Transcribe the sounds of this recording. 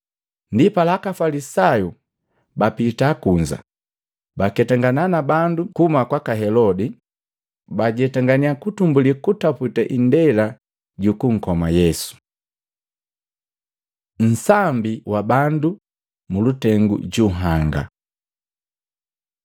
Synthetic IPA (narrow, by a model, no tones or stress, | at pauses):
ndipalakafalisaju | bapitakuɲd͡ʒa̰ | bakɛtaŋɡananabandukumakwakaɦɛlɔdi | baɟɛtaŋɡaniakutumbulikutaputaʔindɛla | ɟukuŋ̩kɔmajɛsu̥ | n̩sambiwabandu | mulutɛŋɡṵɟuɦaŋɡa̰